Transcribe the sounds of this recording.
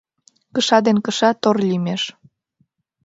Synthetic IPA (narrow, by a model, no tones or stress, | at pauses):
kəʃɑd̪enkəʃɑt̪orlʲimeʃ